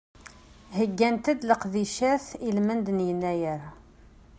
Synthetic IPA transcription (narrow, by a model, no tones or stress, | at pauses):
həɡːænt̪əd̪ləqðiʃæθilmənd̪ənjənːæjəɾ